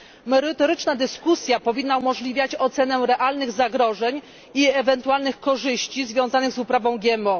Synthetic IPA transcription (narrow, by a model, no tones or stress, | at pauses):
mɛɾɘt̪ɔɾɘt͡ʂnad̪ɘskusʲjapɔvʲinːaumɔʐlʲivʲjat͡ɕɔt̪sɛnɛɾɛʔalnɘɣzaɡɾɔʐɛɲ | iɛvɛnt̪ualnɘxkɔʐɘɕt͡ɕizvʲjɔ̃w̃zanɘɣzupɾavɔ̃w̃ɡʲjɛmɔ